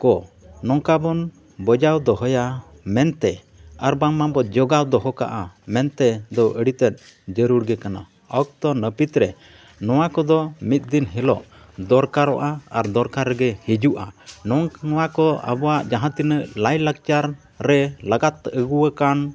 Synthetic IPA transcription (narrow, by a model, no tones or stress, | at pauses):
kɔ | nɔŋkabɔn | bɔd͡ʒawd̪ɔɦɔja | mɛnt̪ɛ | aɾbaŋmambɔd͡ʒɔɡawd̪ɔɦɔka̰ʔamɛnt̪ɛd̪ɔʔəɽit̪ɛt̪̚ | d͡ʒəɾuɾɡɛkana̰ | ɔwk̚t̪ɔnəpit̪ɾɛ | nɔwakɔd̪ɔmit̪̚ˀd̪inɦɛlɔʔ | d̪ɔɾkaɾɔʔaaɾd̪ɔɾkaɾːɛɡɛhid͡ʒuʔanɔŋɔwakɔa̰bɔwaʔd͡ʒaɦãt̪inəʔlajlak̚t͡ʃaɾː | ɛlaɡat̪ːʔəɡuwəkan